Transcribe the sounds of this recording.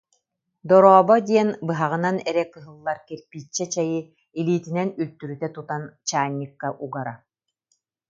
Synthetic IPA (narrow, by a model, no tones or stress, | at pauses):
d̪ɔɾɔːbɔd̪iɛnbɯɦaʁɯ̆nanɛɾɛkɯɦɯlˠːaɾkɛɾpiːt͡ɕːɛt͡ɕɛjɯ | iliːt̪inɛnylt̪yɾyt̪ɛt̪ut̪ant͡ɕaːɲːikːaʔuɡaɾa